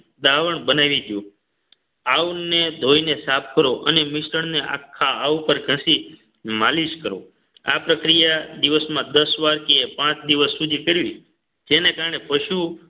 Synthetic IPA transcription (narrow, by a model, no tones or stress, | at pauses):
d̪aʋəɳbənaʋid͡ʒjũ | aʋned̪ʱoinesap̚ʰkəɾoʔənemɪʃɾəɳneʔa̰kʰːaaʋpəɾɡʱə̃si | maliʃkəɾo̰ | a̰pɾəkɾijad̪iʋəsmãd̪əsʋaɾkeepãt͡ʃd̪iʋəsːud̪ʱikəɾʋi | d͡ʒenekaɾɳepəʃu